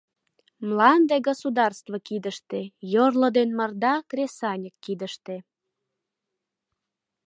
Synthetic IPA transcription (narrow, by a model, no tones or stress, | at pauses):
mlɑnd̪eɡosud̪ɑrst̪vokid̪əʃt̪ejorlə̆d̪enmərd̪ɑkrʲesɑnʲəkːid̪əʃt̪e